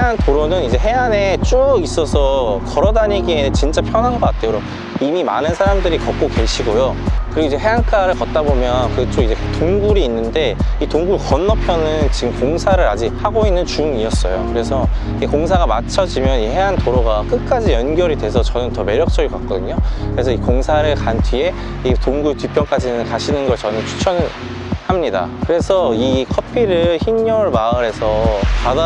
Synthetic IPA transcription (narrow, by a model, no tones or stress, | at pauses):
eantoɾonɯnid͡ʑe̞ɦe̞anet͡ɕ͈ois͈ʌsʰʌkʌɾʌdaɲiɡent͡ɕint͡ɕ͈apʰjʌnɦanɡʌk͈at̚ʰeoɾo | imima̰nɯnsʰaɾamdɯɾikʌk̚k͈oke̞ɕʰiɡojokɯɾiɡoid͡ʑe̞ɦe̞ank͈aɾɯɭkʌt̚t͈abomjʌnkɯt͡ɕ͈omid͡ʑe̞toŋɡuɾiːnːɯnde̞itoŋɡukʌnːʌpʰjʌnɯnt͡ɕiɡɯmkoŋsʰaɾɯɾa̰d͡ʑihaɡoinːɯnt͡ɕuŋiʌs͈ʌ̰jo̰kɯɾe̞sʰʌiekoŋs̬ʰaɣamat͡ɕʰʌd͡ʑimjʌnɦeɦantoɾʌɡak͈ɯk͈ad͡ʑijʌnɡjʌɾidwe̞sʰʌt͡ɕʌnɯntʌme̞ɾjʌk̚t͡ɕ͈ʌɡiɭkak͈̚ʌdɯɲokɯɾe̞sʰʌikoŋsʰaɾɯɭkantʰɥie̞ | itoŋɡutɥipʰjʌnk͈ad͡ʑinɯnkaɕʰinɯnɡʌɭt͡ɕʌnɯnt͡ɕʰu̥t͡ɕʰʌnɯ | hamɲida̰kɯɾe̞sʰʌikʰʌpʰiɾɯɭçinɲʌɭmaɯɾɦe̞sʰʌpada